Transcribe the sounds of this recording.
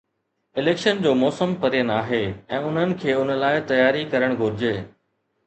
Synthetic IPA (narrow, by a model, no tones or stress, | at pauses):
ɪleːkʃənd͡ʑoːmɔːsəmpɐɾijənaːɦeɛ̃ːʊn̤ənɪ̆kʰeːʊn̤ə̆laːɪt̪ɐjaːɾikɐɾəɽ̃ɡʱʊɾɪd͡ʑeː